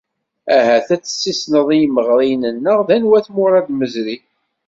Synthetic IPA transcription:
æhæθæt͡sːə̥sːisnəðˤijməʁɾˤinənːəʁðænwæθmʊɾˤɑd̪məzɾi

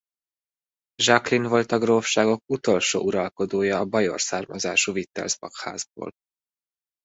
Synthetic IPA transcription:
ʒɒklinvo̞lt̪ɒɡrofʃaːɡo̞kut̪o̞lʃo̰ːʔuɾɒlko̞d̪oːjɒːbɒjo̰rsaːrmɒzaːʃuvit̪ːɛ̰lzbɒkha̰ːzbo̰ːl

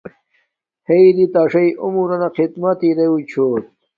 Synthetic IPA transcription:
heid̪it̪aːʂɐiʔumuɾɐnɐqid̪mɐt̪iɾeut͡ɕʰoːt̪̚

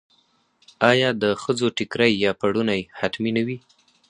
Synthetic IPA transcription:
ɑjɑd̪əxəzoʈɪkɾajːɑpaɽunajhat̪minawi

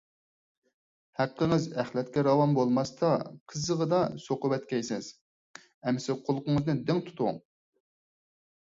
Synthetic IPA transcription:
hæqːəŋɨzæχlɛt̪kʲɛɾɑwɑmbolˠmɑst̪ɑqʰəzəʁəd̪ɑsoqʊwɛt̪kʲɛjsɪz̥ | ɛmːɪsɪqʰolˠʊqʊŋəznɨd̪ɪŋt̪ʰu̥t̪ʰʊʊ̰ŋ

